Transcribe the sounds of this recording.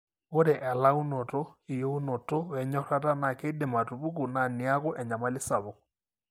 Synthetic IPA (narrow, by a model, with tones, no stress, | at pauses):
o˦ɾɛ˨ʔɛ˨la˦u˦nɔ˨tɔ˦i˨jo˦u˦nɔ˨tɔ˦wɛ˨ɲɔ˦ɾa˦ta˦na˨ke˦de˨ma˨tu˨βu˦ku˨na˨ni˨a˦ɣɔ˦ʔɛ˨ɲa˨ma˦lɪ˦sa˨βo˨ɣ